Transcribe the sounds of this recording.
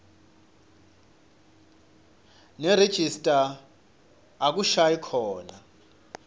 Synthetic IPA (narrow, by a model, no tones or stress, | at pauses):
nɛred̥ʒ̥ʱistʼa | k̬uʃajikʰɔːna